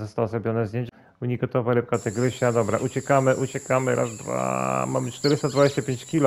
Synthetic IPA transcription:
zɔst̪awɔzɾɔbʲjɔnɛzd̪ʲjeɲt͡ɕ | uɲiɡɔt̪ɔvalɛp̚kat̪ɛɡɾɘɕad̪ɔbɾaʔut͡ɕɛkamɘʔut͡ɕɛkamɘɾʔa̰zd̪va̰mamɘt͡ʂt̪ɛɾɘst̪ad̪vad͡ʑeɕt͡ɕapʲeɲt͡ɕkʲilɔ

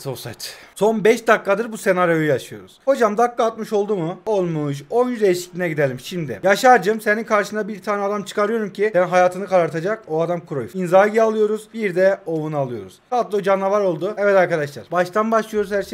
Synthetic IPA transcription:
sosa̰jt̪so̞nbɛʃd̪akːad̪ɯɾbuse̞naɾjo̞jujaʃɯjo̞̰ɾuz̥ho̞d͡ʒamd̪akːaːt̪̚mɯʃo̞lˠd̪umuo̞lˠmuʃ̬o̞njyzejiʃi̥clʲinɛɟid̪elʲimʃimd̪ɪ̰jaʃaɾd͡ʒɯmseninkʰaɾʃɯnd̪abiɾt̪ʰaːnɛad̪amt͡ʃʰɯ̥kʰaɾɯjo̞ɾumcʰid̪ɛnɦajaːt̪ʰɯnɯkaɾaɾt̪ʰad͡ʒakoad̪amkʰuɾo̞juinzaːɟialˠɯjo̞ɾuz̥biɾd̪ɛo̞vunalˠɯjo̞ɾṵz̥at̪lˠɯod͡ʒanavaɾo̞lˠd̪uɛvɛt̪aɾkad̪aʃlˠa̰ɾbaʃt̪ʰanbaʃlˠɯjo̞ɾuzhæɾʃe

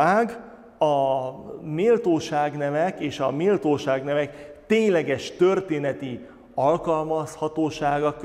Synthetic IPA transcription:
aːɡ | ɒ | meːlt̪oːʃaːɡnɛvɛkeːʃɒmeːlt̪oːʃaːɡnɛvɛkt̪eːɲlɛɡɛʃt̪ørt̪eːnɛt̪i | ɒlkɒlmɒshɒt̪oːʃaːɡɒk

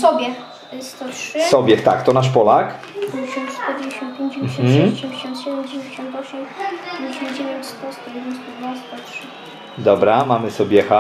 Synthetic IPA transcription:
sɔbʲjɛ | st̪ɔtʂɨsɔbʲjɛt̪akt̪ɔnaʂpɔlak̪ | ɕɔ̃nt̪st̪ɔd͡ʑeɕɔ̃nt̪̚pʲjeɲd͡ʑɛmɕɔ̃ɕɛmd͡ʑeɕɔ̃nt̪ɕɛd̪ɛmd͡ʑevʲeeɕɔ̃nt̪ɔɕɛmɲeɕɔ̃d͡ʑevʲjɔnʲst̪ɔst̪ɔjɛd̪ɛnst̪ɔd̪nast̪ɔtʂɘ | d̪ɔbɾamamɘsɔbʲjɛxa

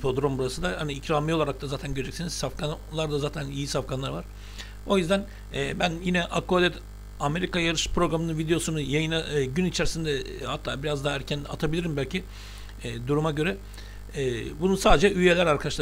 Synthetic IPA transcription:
pʰod̪ɾombuɾasɯnd̪ahaniːcɾamijolˠaɾak̚t̪ʰazaːt̪ʰænɟøɾed͡ʒɛcksinizsafkʰanlˠaɾd̪azaːt̪ʰænijisafkanlˠaɾvaɾ̥ | o̞jyzd̪æn | ɛːbænjinɛʔakod̪ʲɛt̪ | ame̞ɾikajaɾɯʃpɾo̞ɡɾamɯnɯvid̪ejo̞sunujajɯnaɟynit͡ʃʰeɾisind̪ɛhat̪ʰːa̰ːbiɾazd̪aɦaæɾcʰæna̰t̪ʰabilʲiɾimbælʲcʰi | ɛːd̪uɾumaɟø̞ɾɛ | ɛːbununsaːd̪ed͡ʒɛʔyje̞lʲæɾaɾkʰad̪aʃlˠ

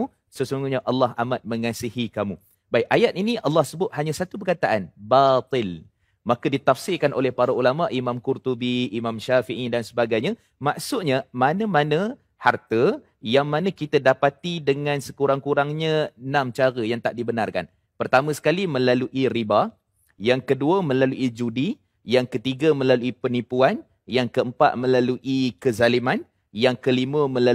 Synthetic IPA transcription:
u | səsuŋɡuɲaʔɑlːɑɦʔamat̪̚məŋasihikamu | baɪkajat̪̚iniʔɑlːɑhsəbʊt̪̚haɲasat̪ubərkat̪aʔanbat̪ɪl | makədit̪afsɪkanʔolɛhpaɾaulamaʔimamkurt̪ubiːmamʃafiʔidansəbaɡajɲa | maʔsʊʔɲamanəmanə | hart̪ə | jaŋmanəkit̪adapat̪idəŋansəkuɾaŋkuɾaŋɲənamt͡ʃaɾəjaŋt̪aʔdibənarka̰n | pərt̪amə̃sə̥kalimə̃laluʔiriba | jaŋkəduəmə̃laluʔid͡ʒudi | jaŋkət̪iɡamə̃laluipənipuan | jaŋkəəmpa̰ʔ̪̚mə̃laluʔikəzaliman | jaŋkəliməmə̃la

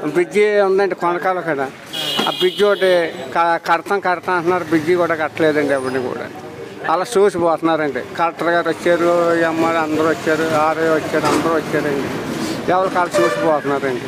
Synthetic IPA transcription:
bid͡ʒiːund̪ɐɳʈekɔnɐkaːlokɐd̪a̰ | bid͡ʒioʈekɐkɐɽɐt̪ɐŋkɐɽɐt̪ɐɐɳnːaːɾubid͡ʒiːkuːɽaːkɐʈːɐleːd̪ɐɳɖiɐʋɐɽɐnikṵːɽa̰ː | ɐlaːsuːsibɔːt̪unːaːɾɐɳɖikɐlʈɐɾɡaːɾʋot͡ʃːaːɾuɛmːaːɽɐnd̪ɐɾuːʋɐt͡ʃːaːɾuaːɾejʋɐt͡ʃːaːɾuɐnd̪ɐɾuːʋɐt͡ʃːaːɾɐɳɖiɛːʋɐlɐkaːlɐt͡ʃuːsibɔːt̪unːaːɾɐɳʈi

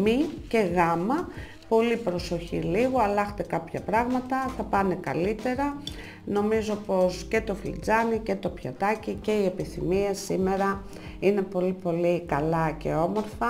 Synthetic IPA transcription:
miceɣɐmɐ | po̞lipɾo̞so̞çḭliɣo̞ɐlɐxt̪ekɐpçɐpɾɐɣmɐt̪ɐθɐpɐne̞kɐlit̪e̞ɾɐ | no̞mizo̞po̞sce̞t̪o̞flḭd͡zɐnice̞t̪o̞pçɐ̰t̪ɐcice̞ie̞piθḭmiesime̞ɾɐ | ine̞po̞lipo̞likɐlɐce̞̰o̞mo̞ɾfɐ

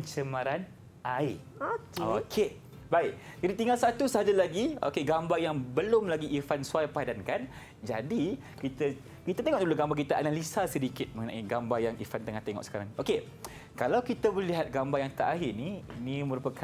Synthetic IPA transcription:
ənt͡ʃəmaɾan | ʔai | okokʰe | baɪk̚d͡ʒadit̪iŋalsat̪usəɦad͡ʒalaɡio̰keɡambajaŋbəlʊmlaɡiʔːfansuajpadankan | d͡ʒadi | kit̪a | kit̪at̪eŋɔʔduloɡambakit̪aʔanalisasədikɪt̪̚məŋənã̰ʔiɡambajaŋḭfant̪əŋaht̪eŋɔ̰ʔsə̥kaɾaŋʔoke | kalawkit̪abolliɦat̪̚ɡambajaŋt̪aʔaɦɪniinimə̃ɾupakʰa

